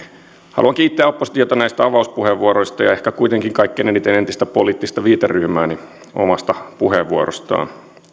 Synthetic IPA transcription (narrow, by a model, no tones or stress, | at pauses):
hɑ̰luɑŋkiːt̪ːæːopːosi̥t̪iot̪ɑnæist̪æɑʋɑuspuheʋʋuoɾoist̪ɑjɑe̞hkækuit̪eŋkiŋkɑikːenenit̪ːenent̪ist̪æpoliːt̪ːist̪ɑʋiːt̪eryhmæːni | o̰mɑst̪ɑpuheʋːuoɾo̰st̪ɑ̰ːn